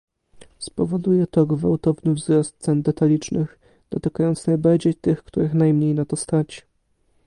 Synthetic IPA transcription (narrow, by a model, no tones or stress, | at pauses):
spɔvɔd̪ujɛt̪ɔɡvawt̪ɔvnɘvzɾɔst̪̚t̪sɛnd̪ɛt̪alʲit͡ʂnɘx | d̪̥ɔt̪ɘkajɔnt̪snajbad͡ʑɛt̪ɘxkt̪uɾɘxnajmɲejnat̪ɔst̪at͡ɕi̥